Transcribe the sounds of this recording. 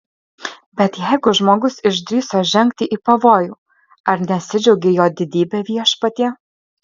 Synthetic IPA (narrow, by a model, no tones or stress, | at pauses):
bʲɛt̪jɛɪɡʊʒmoːɡʊsɪʒʲd̪ʲɾʲiːsoːʒʲɛŋʲk̚t̪ʲɪʔiːpɐʋoːjuː | ɐɾnʲɛɐt̪sʲɪd͡ʒʲɛʊɡʲejoːd̪ʲɪd̪ʲiːbʲɛʋʲiɛʃpɐt̪ʲiɛ